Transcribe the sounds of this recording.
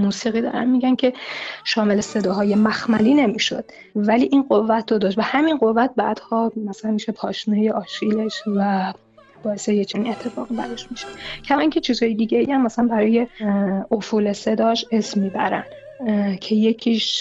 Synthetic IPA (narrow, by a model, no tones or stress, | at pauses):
muːsiːɣiːd̪ɒ̰ːɾæ̰nmiːɟæncʰe̞ʃɒːme̞lese̞d̪ɒːɦɒːje̞mæxmæliːne̞miːʃod̪̥ | væliːʔiːnɢovːæt̪ʰdod̪ɒːʃt̪væhæminɢo̞vːæt̪̚bæ̰ːd̪̥hɒːmæsælænmiʃepʰɒːʃmuːnijeʔɒːʃile̞ʃvæ | b̥ɒːe̞sejet͡ʃʰæniet̪ʰːefɒ̰ːɣibæ̰ɾeʃmiʃe̥cʰæmɒːincʰet͡ʃʰiːzhɒːjed̪iɟeiæmːæsælænbæɾɒːje̞ofuːle̞se̞d̪ɒːʃesmːiːbæ̰ɾæ̰n | cʰe̞je̞cʰiːʃ